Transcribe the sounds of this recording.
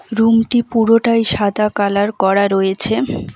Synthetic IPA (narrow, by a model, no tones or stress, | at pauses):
ɾumʈipuɾoʈajʃad̪akalaɾkɔɽaɾojet͡ɕʰe